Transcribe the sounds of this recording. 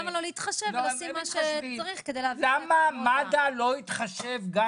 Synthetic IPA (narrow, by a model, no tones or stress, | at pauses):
amalo̞leit̪χaʃevasimːaʃeaʁiχked̪ejleavlamamad̪alo̞it̪χaʃevɡa